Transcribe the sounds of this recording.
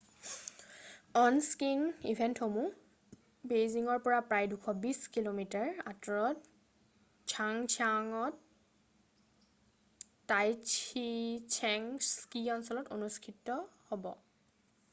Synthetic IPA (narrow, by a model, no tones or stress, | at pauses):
ɔnskinḭvʱɛntxomũ | bejziŋɔɹpɔɹapɹajdukʰɔbiskilomitaɹatɔɹɔt | t͡ʃʰaŋt͡ʃʰaŋɔt | ajt͡ʃʰit͡ʃʰɛŋskiɔnsɔlɔtonuskʰitːɔhobɔ̰